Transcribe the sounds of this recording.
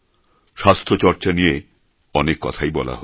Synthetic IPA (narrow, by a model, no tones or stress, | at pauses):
ʃast̪ʰot͡ɕɔɾt͡ɕanije | ɔnekːɔ̰t̪ʰajbɔla̰ɦo